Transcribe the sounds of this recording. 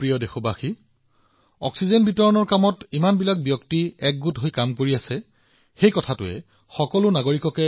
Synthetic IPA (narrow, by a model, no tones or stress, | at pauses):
pɹijɔdexɔbaxi | ɔ̰ksizenbitɔɹɔnɔɹkamɔtimanbilak̚bjɔktiɛk̚ɡutɦojkamkoɹiasɛ | xejkɔtʰatʊɛ̰ | xɔkɔlʊnaɡoɹikɔkɛ